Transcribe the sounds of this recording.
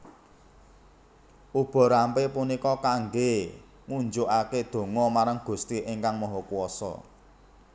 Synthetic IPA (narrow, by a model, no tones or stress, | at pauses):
ʔub̥ɔ̤ɾampepunikɔkaŋɡe | ŋuɲd͡ʒoʔaked̪̥o̤ŋɔmaɾaŋɡ̥ṳst̪iʔiŋkaŋmɔɦɔkuwɔsɔ̰